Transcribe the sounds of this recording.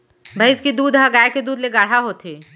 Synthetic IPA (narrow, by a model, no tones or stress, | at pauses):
bʱɐɪɪskid̪uːd̪ɦaɡaːjeked̪uːd̪leɡaːɽ̤aɦot̪ʰeː